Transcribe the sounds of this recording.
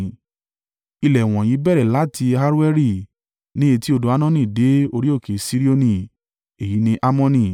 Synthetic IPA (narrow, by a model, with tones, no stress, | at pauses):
i˧lɛ˨w̃ɔ̃˨jĩ˨˦bɛ˦ɾɛ˨la˦tʰi˧a˦ɾu˦ɛ˦ɾi˦˨ | nĩ˦e˧ti˦o˧do˨˦a˦˧nã˦nĩ˦˨de˨˦o˧ɾi˦o˦˨ke˨si˦ɾi˦o˧nĩ˧ | e˨ji˨˦nĩ˧ʔa˦mɔ̃˦˧nĩ˧